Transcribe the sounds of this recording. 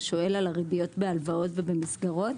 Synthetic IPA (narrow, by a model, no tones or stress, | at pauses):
ʃo̞e̞lalaʁibijo̞tbealvao̞tvebemisɡaʁo̞t